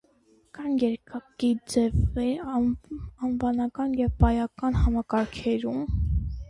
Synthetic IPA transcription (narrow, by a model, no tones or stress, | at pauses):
kɑnjɛɾkɑkid͡zɛvɛ | ɑnvɑnɑkɑnjɛvpɑjɑkɑnhɑmɑkɑɾkʰɛɾum